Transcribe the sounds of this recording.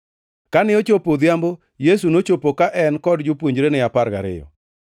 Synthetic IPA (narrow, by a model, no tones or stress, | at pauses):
kanɪot͡ʃopod̪jambo | jes̬unot͡ʃopokaʔɛnkɔdd͡ʒʊpwoɲd͡ʒɾenɪapaɾɡa̰ɾɪ̰jɔ̰